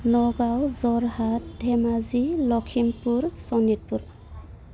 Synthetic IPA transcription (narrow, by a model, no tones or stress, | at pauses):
nɔɡawzɔɹɦat̚dʱɛmazilɔkʰimpuɹsɔnit̚puɹ